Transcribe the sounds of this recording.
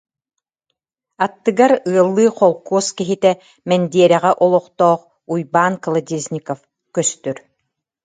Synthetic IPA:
at̪ːɯɡaɾɯɐlˠːɯːχɔlˠkuɔskiɦit̪ɛ | mɛnd̪iɛɾɛʁɛʔɔlˠɔqt̪ɔːχ | ujbaːnklˠad̪ʲiznʲikɔf | kœst̪yɾ

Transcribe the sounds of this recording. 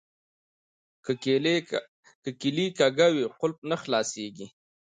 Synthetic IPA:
kəkilikaɡawiqʊlp̚nəxlɑseɡi

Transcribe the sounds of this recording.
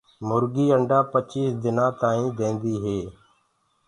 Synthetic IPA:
mʊɾɡiːəɳɖaːpət͡ʃiːsd̪ɪnãːt̪aːĩːd̪ẽːnd̪iːɦeː

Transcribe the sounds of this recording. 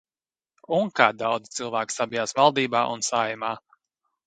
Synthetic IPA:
uŋkaːd̪awd̪zit̪silˠvæːki̥sabijaːsvalˠd̪iːbaːʔunsaːjumaː

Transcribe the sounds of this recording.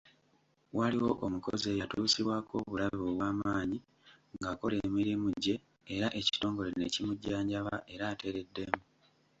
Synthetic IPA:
waliwo̞ʔomuko̞̰ze̞ːjatuːsiβwako̞̰ːβulaβioβwaːmaːɲi | ŋɡaːko̞le̞ːmiɾimuɟːe̞ː | ɾaʔe̞ci̥to̞ːŋɡo̞le̞ne̞cimuɟːaːɲɟaβaʔe̞ɾaːte̞ɾe̞dːe̞mu

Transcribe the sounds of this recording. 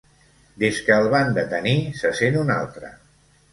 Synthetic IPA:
d̪eskəːlˠβand̪ət̪ənisəsenuna̰lˠt̪ɾə̰

